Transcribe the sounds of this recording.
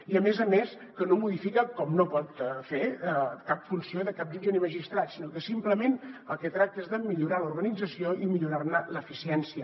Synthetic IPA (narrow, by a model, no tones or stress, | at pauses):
iəmezəmes | kənomuðifikəkɔmnopɔt̪fekapfunsioðəkap̚d̪iʒeniməʒist̪ɾat̪sinokəsimpləmenəlˠkɛt̪ɾak̚t̪əezðəmiʎuɾaluɾɣənid͡zəsioimiʎuɾarnələfisiɛnsiə